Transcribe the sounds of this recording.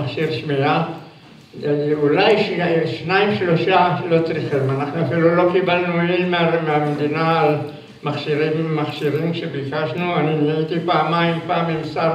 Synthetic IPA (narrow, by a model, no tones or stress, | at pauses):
aχʃiɾʃmia | ulajʃʃnaimʃloʃalo̞t͡sʁiχimanaχnuafilulo̞kibalnuemeameamed̪inaːl | maχʃiɾimːaχʃiɾimʃebikaʃnuaninait̪ipaːmaimpaːmimsaɾ